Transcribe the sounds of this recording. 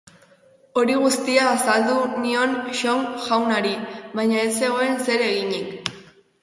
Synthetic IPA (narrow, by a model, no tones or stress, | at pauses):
o̞ɾiɣ̞ust̪iaːsald̪unio̞nʃo̞ŋʝawnaɾiβajɲaese̞ɣoe̞nse̞ɾe̞ɣiɲik